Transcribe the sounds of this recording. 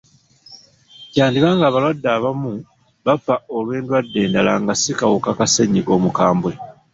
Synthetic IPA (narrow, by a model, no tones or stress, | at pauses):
caːndikaŋɡaːβalwadːaːβamu | βafaolwe̞ːndwadːe̞ːndalaŋɡasikawukakaseɲiʔo̞mukaːmbwe̞